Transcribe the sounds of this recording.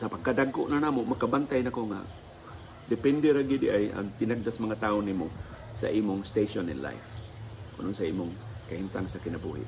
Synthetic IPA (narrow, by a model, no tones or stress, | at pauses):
sapaɡ̚kadaɡʊʔnanamomakabant̪ajnakoŋa̰ | dɪpɛndeɾaɡidiʔaja̰ŋt̪ɪnaɡ̚dasmaŋat̪aʊnimʊ | sa̰ʔimʊŋst̪eʃonɪ̰nla̰jf | kʊ̰nʔonsaimʊŋkahint̪aŋsakɪnabuɦɪ̰ʔ